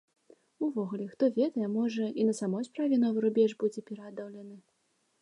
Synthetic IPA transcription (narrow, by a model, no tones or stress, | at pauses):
uvɔɣulʲɛxt̪ɔvʲɛd̪ɐjɛmɔʐɐinɐsamɔjspɾavʲɛnɔvɨɾubʲɛʐbud͡zʲɛpʲɛɾɐad̪ɐwlʲɐnɨ